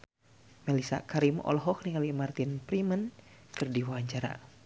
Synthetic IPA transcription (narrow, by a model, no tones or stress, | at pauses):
mɛlisa̰kaɾimɔ̰lɦɔk̚niŋalimart̪inpɾimənkɨrdiwaaɲt͡ʃaɾa̰